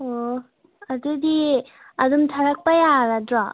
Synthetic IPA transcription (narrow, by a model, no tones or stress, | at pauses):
o | ɐdudi | ɐdumtʰaɾak̚pajaɾadɾɔ